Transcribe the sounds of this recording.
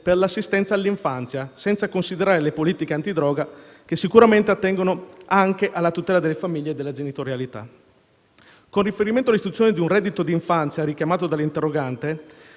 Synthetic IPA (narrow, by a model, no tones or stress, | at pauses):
perlasːist̪ɛnt̪saːlːiɱfant̪sjasɛnt̪sakonsid̪eɾaːɾelepoliːt̪ikeant̪id̪ɾɔːɡa | k̟esːikuɾament̪eat̪ːɛŋɡonoaŋkeʔalːat̪ut̪ɛːlad̪elːefamiʎːed̪ːelːad͡ʒenit̪oɾjalit̪a̰ | konrifeɾiment̪oalːist̪ɾut̪sjoned̪iunrɛd̪ːit̪od̪iɱfant̪sjaɾik̟jamaːt̪od̪alːint̪erːoɡant̪e